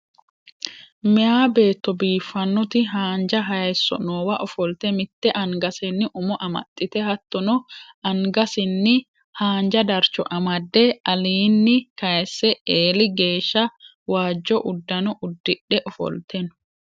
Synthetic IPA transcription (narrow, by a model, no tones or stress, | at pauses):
mɪaːbe̞ːt̪ːɔbiːfːɐnːɔt̪ɪɦaːnd͡ʒɐɦɐjɛsːɔ̰nɔːwɐʔɔfɔlt̪ɛmɪt̪ːɛʔɐŋɡɐsɛnːɪʔʊmɔʔɐmɐ̰t̪ʼːɪt̪ɛhɐt̪ːɔnɔʔɐŋɡɐsɪnːɪ | haːnd͡ʒɐd̪ɐɾt͡ʃɔʔɐmɐd̪ːɛɐliːnːɪkɐjɛsːɛeːlɪɡe̞ːʃːɐ | waːd͡ʒːɔʔʊd̪ːɐnɔʔʊd̪ːɪᶑɛʔɔfɔ̰lt̪ʰɛn